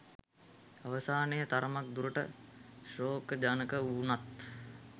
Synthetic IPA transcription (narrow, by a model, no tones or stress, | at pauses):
aʋəsaːnəjət̪aɾəmak̚d̪uɾəʈə̰ʃroːkəd͡ʒanəkəuːnat̪